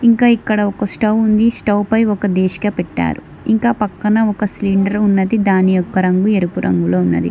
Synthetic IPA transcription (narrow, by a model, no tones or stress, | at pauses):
iŋkaːikːɐɽɐɔkɐsʈɐwund̪isʈɐwpɐjɔkɐd̪ɛːʃi̥kɐːpɛʈːa̰ːɾu | iŋkaːpɐkːɐnɐɔkɐsliɳɖɐɾunːɐd̪id̪aːnijɔkːɐɾɐŋɡueɾupuɾʔɐ̰ŋɡuloːunːɐ̰d̪ḭ